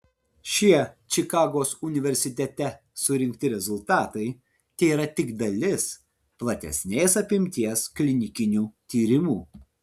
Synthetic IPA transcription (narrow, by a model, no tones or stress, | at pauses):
ʃʲiɛt͡ʃʲɪkɑːɡoːsʊnʲɪʋʲɛɾʲsʲɪt̪ʲɛt̪ʲɛ | sʊɾʲɪŋkt̪ʲɪɾʲɛzʊlˠt̪ɑːt̪ɐɪ | t̪ʲɛːiːɾɐt̪ʲɪɡd̪ɐlʲɪs | plˠɐt̪ʲɛ̰sʲnʲeːsɐpʲɪmʲt̪ʲiɛsklʲɪnʲɪkʲɪnʲuːt̪ʲiːɾʲɪmuː